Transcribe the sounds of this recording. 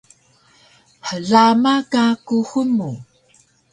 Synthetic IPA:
ħəɮamakakuxumu

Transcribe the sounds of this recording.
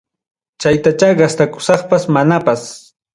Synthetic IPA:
t͡ʃajt̪at͡ʃaɢast̪akʊ̥sɑχpasmanapas

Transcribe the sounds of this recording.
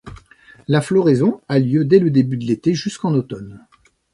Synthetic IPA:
laflɔʁezɔ̃aljød̪ɛləd̪ebyd̪əlet̪eʒyskɑ̃not̪ɔn

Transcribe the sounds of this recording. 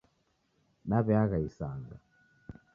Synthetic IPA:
naβɛaɣaisaŋɡa

